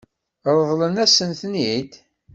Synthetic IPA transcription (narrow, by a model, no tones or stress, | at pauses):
ɾˤəðˤlənæsənθnid̪